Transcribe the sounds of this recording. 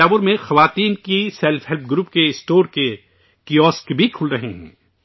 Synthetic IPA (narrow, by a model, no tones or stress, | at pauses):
aːʋʊɾmẽxɐʋaːt̪iːnkisɛlfɦɛlp̚ʰɡɾuːp̚keɪsʈoːɾke | kiɔːskbʱikʰʊlɾɐɦeɦɛ̰̃ː